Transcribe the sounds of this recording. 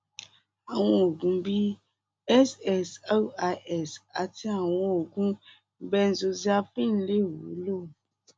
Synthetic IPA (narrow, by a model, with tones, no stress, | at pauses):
a˨w̃ɔ̃˧o˨ɡũ˨˦bi˦ | ɛ˦sɛ˦˨sa˦a˧ʔɛ˦˨sa˨ti˦a˨w̃ɔ̃˧o˨ɡũ˦ | bɛ˧n̩˨zo˧zi˦a˧fĩ˦n̩˦le˦˨wo˨˦lo˦˨